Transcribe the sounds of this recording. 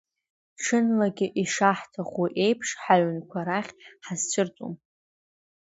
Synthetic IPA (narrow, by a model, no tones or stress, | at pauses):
ʈ͡ʂʰɨnlaɡʲɪʔiʂaħtʰaχwiʔe̞jpʰʂħaʕʷnkʷʰaɾaχʲħazt͡ʃʷʰɨrt͡sʼṵm